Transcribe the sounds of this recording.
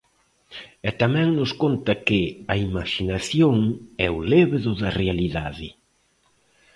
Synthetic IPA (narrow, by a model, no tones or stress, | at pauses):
ɛt̪amɛ̃ŋnʊskont̪ɐkɪɐimaʃinaθjoŋɛʊleβðʊðɐrealiðaðɪ